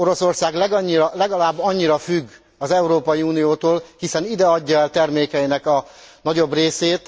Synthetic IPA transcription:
o̞ɾo̞so̞rsaːɡlɛɡɒɲːiɾɒlɛɡɒlaːbːɒɲːiɾɒfyɡː | ɒzɛuɾoːpɒjiuːnijoːt̪oːlhisɛnid̪ɛɒɟːɒɛlt̪ɛrmeːkɛinɛkɒnɒɟo̞breːseːt̪

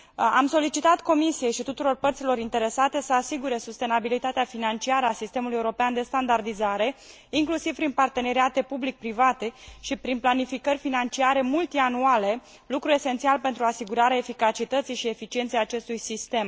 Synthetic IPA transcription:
amso̞lit͡ʃit̪at̪ko̞misije̞jʃit̪ut̪uɾo̞rpərt̪silo̞ɾint̪e̞ɾe̞sat̪e̞səasiɡuɾe̞sust̪e̞nabilit̪at̪eafinant͡ʃiaɾəasist̪e̞muluje̞uɾo̞peand̪e̞st̪and̪ard̪izaɾe̞ | iŋklusiv̥pɾinpart̪e̞ne̞ɾiat̪e̞publik̚pɾivat̪e̞ʃipɾinplanifikərʲfinant͡ʃiaɾe̞mult̪ianuale̞ | lukɾue̞sent̪sialpe̞nt̪ɾuasiɡuɾaɾeaefikat͡ʃit̪ət̪sijʃie̞fit͡ʃie̞nt̪sejat͡ʃe̞st̪ujsist̪e̞m

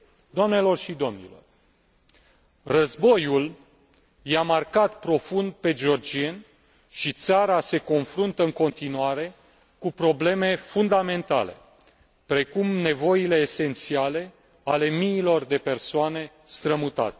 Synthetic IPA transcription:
d̪oamne̞lo̞rʃid̪o̞mnḭlo̞̰r | rəzbo̞jul | jamarkat̪pɾo̞fund̪̚pe̞d͡ʒeo̞rd͡ʒien | ʃit̪saɾase̞ko̞nfɾunt̪əɨŋko̞nt̪inuaɾe̞ | kupɾo̞ble̞me̞fund̪ame̞nt̪a̰le̞̰ | pɾe̞kumne̞vo̞ile̞ːse̞nt̪siale̞ | ale̞miːlo̞rd̪e̞pe̞rsoane̞ | st̪ɾəmut̪a̰t̪e

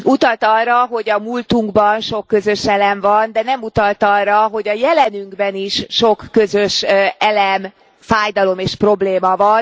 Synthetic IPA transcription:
ut̪ɒlt̪ɒrːɒɦo̞ɟɒmult̪uŋɡbɒnʃo̞kːø̞zø̞ʃɛlɛmvɒnd̪ɛnɛmut̪ɒlt̪ɒrːɒɦo̞ɟɒjɛlɛnyŋɡbɛniʃːo̞kːøzøʃɛlɛm | faːjd̪ɒlo̞meːʃpro̞bleːmɒvɒn

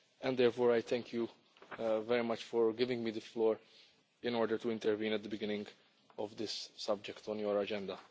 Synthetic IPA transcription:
ɛ̃nd̪d̪ɛɾfɔːɾajt̪ɛ̃ŋkʰju | vɛɾimɐt͡ʃfɔɹɡɪvɪ̃ŋɡmiːd̪əflɔːɾ | ɪ̃nɔːɾd̪əɾt̪uɪ̃nt̪ɛɾvĩːnɛt̪d̪əbɪɡɪnɪ̃ŋɡ | ɔvd̪ɪsːʌb̚d͡ʒɛkt̪ɔ̃njɔɹɐd͡ʒɛ̃nd̪ɐ

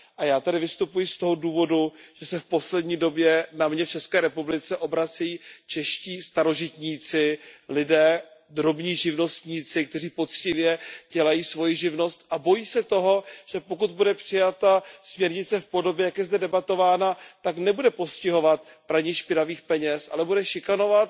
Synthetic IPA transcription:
ʔajaːt̪adɪvɪst̪upujɪst̪o̞ɦo̞duːvo̞duʒ̥ɛsɛfpo̞slɛdɲiːdo̞bjɛnamɲɛft͡ʃɛskɛːɾɛpublɪt͡sɛʔo̞bɾat͡sɛjiːt͡ʃɛʃciːst̪aɾo̞ʒɪt̪ɲiːt͡sɪlɪdɛːd̪ɾo̞bɲiːʒɪvno̞st̪ɲiːt͡sɪk̚t̪ɛriːpo̞t͡scɪvjɛɟɛlajiːsvo̞jɪʒɪvno̞st̪ʔabo̞jiːsɛt̪oɦo̞ʒ̥ɛpokud̪̚budɛpr̥ɪjat̪asmɲɛɾɲɪt͡sɛfpo̞do̞bjɛjakjɛzdɛdɛbat̪o̞vaːnat̪aknɛbudɛpo̞scɪɦo̞vat̪̚pɾaɲɪʃpɪnaviːxpɛɲɛsʔa̰lɛbudɛʃɪkano̞vat̪̚

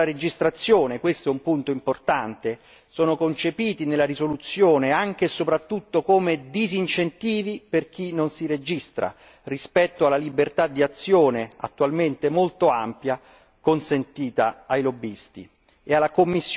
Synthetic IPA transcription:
aɾed͡ʒist̪ɾat̪sːjoːnekwest̪oɛumpunt̪oimport̪ant̪e | soːnokont͡ʃepiːt̪inelːaɾizolut̪sːjoːneaŋk̟esopɾat̪ːut̪ːokomed̪izint͡ʃent̪iːviperk̟inonsiɾed͡ʒist̪ɾa̰ | rispɛt̪ːoalːalibert̪ad̪iat̪sːjoːnea̰t̪ːualment̪emolt̪oampja | konsent̪iːt̪aːjlobːist̪ḭ | ealːakomːisː

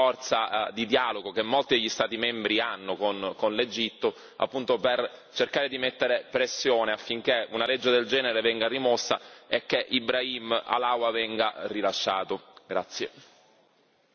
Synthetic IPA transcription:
fɔrt̪sad̪id̪jaːloɡokemːolt̪id̪eʎːist̪aːt̪imɛmbɾianːokonkonled͡ʒit̪ːo | a̰pːunt̪opert͡ʃerkaːɾed̪imet̪ːeɾepɾesːjoːneafːiŋk̟eunalɛd͡ʒːed̪eld͡ʒɛːneɾevɛŋɡarimosːa̰ɛkːeʔibɾaima̰laːwavɛŋɡarilaʃːaːt̪oɡɾa̰t̪sːje

